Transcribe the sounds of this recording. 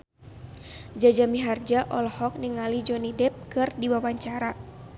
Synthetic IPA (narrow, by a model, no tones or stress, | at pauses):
d͡ʒad͡ʒamiɦard͡ʒaʔɔlɔhɔk̚niŋalid͡ʒɔnidɛp̚kɨrdiwawaɲt͡ʃaɾa